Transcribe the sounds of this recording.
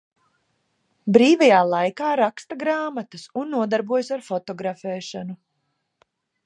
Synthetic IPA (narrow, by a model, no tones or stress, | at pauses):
bɾiːvajaːlˠajkaːɾakst̪aɡɾaːmat̪ɐsunːuɔd̪aɾbuɔjsaɾfɔt̪ɔɡɾafɛːʃanu